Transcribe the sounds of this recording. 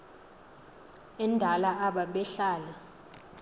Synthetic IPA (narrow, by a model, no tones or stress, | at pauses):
ɛndʱalaaɓaɓɛɬaːlɛ